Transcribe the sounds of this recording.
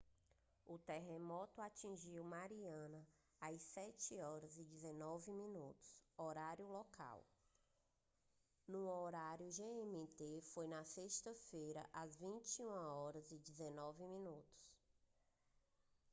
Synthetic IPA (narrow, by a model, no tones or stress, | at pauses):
ʊt̪ɛɦemɔt̪ʊat͡ʃĩʒiwmaɾiɐ̃nɐ | ajsɛt͡ʃɪɔɾɐzɪd͡ʒizenɔvɪmĩnut̪ʊ̥sɔɾaɾjʊlɔka̰w | nũoɾaɾjʊʒeẽmit̪efojnɐseʃt̪ɐfejɾɐ̰ʔazvĩt͡ʃiũmɐɔɾɐzɪd͡ʒizenɔvɪmĩnut̪ʊ̥s